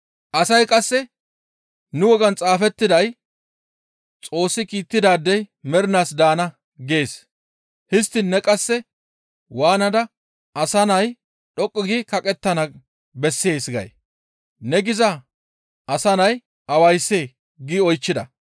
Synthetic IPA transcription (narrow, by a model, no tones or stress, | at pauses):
ʔɐsɐjkʼɐsːɛ | nʊwɔɡɐnt͡sʼaːfɛt̪ːɪd̪ɐj | t͡sʼo̞ːsːɪkiːt̪ːɪd̪aːd̪ːɛjmɛɾɪnaːsd̪aːnɐ | ɡeːs | hɪst̪ːɪnːɛkʼɐsːɛ | waːnɐd̪ɐ | ɐsɐnɐj | ɗɔkʼːɪɡɪkɐkʼɛt̪ːɐnɐ | bɛsːe̞ːsɡɐ̰j | nɛɡɪzɐ | ʔɐsɐnɐj | ʔɐwɐjsːeː | ɡiɔjt͡ʃːɪd̪ɐ